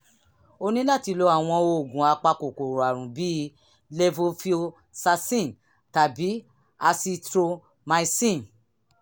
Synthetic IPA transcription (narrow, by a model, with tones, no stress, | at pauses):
o˧nĩ˦la˦˨ti˧lo˧˦a˨w̃ɔ̃˧o˧o˨ɡũ˨a˧k͡pa˧ko˨ko˨ɾo˨a˨ɾũ˨bi˨˦ | le˧vo˧fi˦o˧ | sa˧sĩ˦˨n | ta˨bi˨˦ | a˧si˧tɾo˧ | mã˧i˧sĩ˦˨n